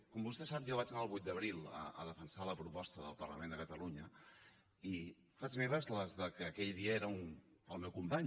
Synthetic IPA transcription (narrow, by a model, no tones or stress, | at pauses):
kɔmbust̪ɛsapʒaβat͡ʃənaəlˠβujt̪̚d̪əβɾilˠə̰ə̰ðəfənsaləpɾupɔst̪əðə̰lˠpərlə̰mẽnd̪əkət̪əluɲə | i | fad͡ʒβeβəzləzðəkəːkɛʎðiəeɾəunəlˠmɛwkumpaɲ